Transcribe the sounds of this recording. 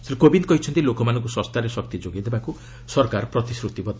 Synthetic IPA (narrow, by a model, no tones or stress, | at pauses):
seɾkobinkɔɦit͡ʃʰɔnt̪ilokɔmanɔŋk̬usɔ̃st̪aɾesɔk̚t̪id͡ʒoɡid̪ebaku | sɔɾkaɾɔpɾɔt̪isɾut̪ibɔd̪